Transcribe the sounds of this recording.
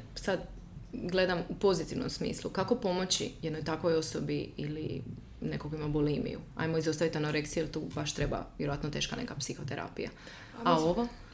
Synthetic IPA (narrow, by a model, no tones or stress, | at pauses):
sad̪ | ɡlˠe̞d̪amupo̞zit̪iʋnomsmḭːslˠukako̞po̞mo̞t͡ɕḭjed̪nojt̪akʋo̞jo̞sobiilḭ | ne̞kokoimabolimḭjṵa̰jmoizost̪aʋit̪anoɾe̞k̪sijuelt̪uːbaʃt̪ɾe̞ba̰ʋjeɾoat̪not̪e̞ːʃkane̞̰kapsixo̞t̪eɾa̰pija̰ | ao̞ʋo